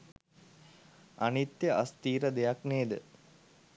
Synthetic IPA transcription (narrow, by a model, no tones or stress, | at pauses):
a̰nit̪jəʔast̪iːɾəd̪ejakneːd̪ə